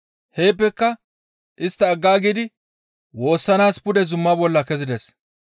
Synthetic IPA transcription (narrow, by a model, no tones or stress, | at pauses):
hejːpːɛkːɐ | ʔɪst̪ːɐːɡːaːɡid̪ɪ | wo̞ːsːɐnaːspʊd̪ɛzʊmːɐbɔlːɐkɛzɪd̪ɛs